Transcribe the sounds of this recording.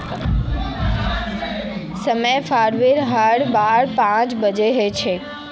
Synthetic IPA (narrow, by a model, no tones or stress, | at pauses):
səməjfaɾʋiɾɦaɽbaɾpãt͡ʃbəd͡ʒeɦet͡ʃʰe